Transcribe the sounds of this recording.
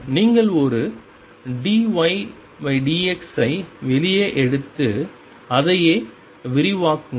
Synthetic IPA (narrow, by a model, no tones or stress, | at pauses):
niːŋɡɐɭɔɾɯ | ɖiʋɐɪ | ʋɐɪɖiːɛksɐɪʋɛlɪjɐʔɛɽɯt̪ːɯ | ɐðɐjeː | ʋɪɾɪʋaːkːɯ